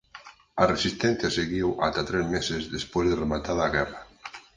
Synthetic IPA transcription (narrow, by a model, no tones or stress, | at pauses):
aresist̪ɛn̟θjaseɣiwʔat̪at̪ɾɛzmesezðespozðeremat̪aðːɣɛra